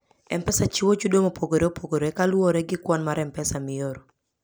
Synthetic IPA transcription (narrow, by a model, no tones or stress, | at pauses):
ɛ̰mpɛsat͡ʃiwot͡ʃudomopʰoɡoɾeopoɡoɾoɛkalwoɾɛɡɪkwɔnmaɾɛmpɛsamɪjoɾo